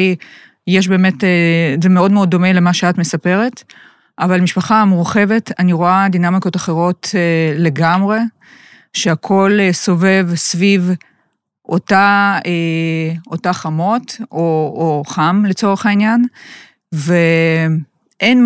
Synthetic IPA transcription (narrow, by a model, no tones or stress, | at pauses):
j | jeʃ̬beːme̞tezemeo̞dmeo̞dːo̞mele̞maʃeatme̞sapeʁe̞t | ʔavalmiʃpaχamuʁχe̞ve̞taniʁoad̪inamiko̞taχeʁo̞tle̞ɡamʁe̞ | ʃeakʰo̞lso̞ve̞vsviv | ʔotae | otaχamo̞tooχamlet͡so̞ʁ̞eχainjan | ve | ʔen